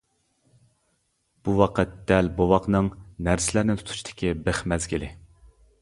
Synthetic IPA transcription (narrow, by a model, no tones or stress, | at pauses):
b̥uwɑqʰət̪̚d̪̥ɛlbowɑqnɨŋnæɾsɪlæɾnɪt̪ʰu̥t̪ʰu̥t͡ʃt̪ʰɪ̥kʲʰibeχmɛzɡʲilɪ